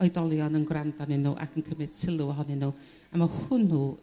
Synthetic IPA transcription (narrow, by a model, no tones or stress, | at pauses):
ɔjdɔlˠjɔnənɡwrandanɪnṵʔa̰kʰənkʰəmɪd̥sɪlˠuɔɦɔnɪnu | amahʊnːu